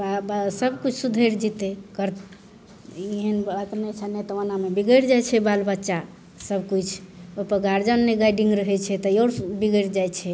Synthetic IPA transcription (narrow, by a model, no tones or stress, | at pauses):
absəbkut͡ʃʰsud̪ʱəɾd͡ʒit̪ekəɾ | iɦənat̪nɛt͡ʃʰɛnet̪ɔʋanamebiɡəɾd͡ʒajt͡ʃʰɛbalbətːʃa | səbʱkut͡ʃʰopəɡaɾd͡ʒənːeɡajɖiŋɡɾəɦɛt͡ʃʰɛt̪ɔjoɾbiɡəɾd͡ʒajt͡ʃʰɛ